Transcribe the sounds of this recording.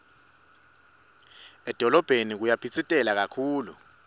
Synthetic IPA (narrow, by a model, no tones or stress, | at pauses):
ɛd̥ʱɔlɔb̥ʱenik̬ujapʰit͡sʼitʼɛlak̬akʰuːlṵ